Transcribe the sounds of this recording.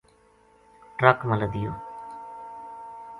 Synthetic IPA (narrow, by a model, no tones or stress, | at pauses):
ʈɾəkmələd̪ɪjo̰ː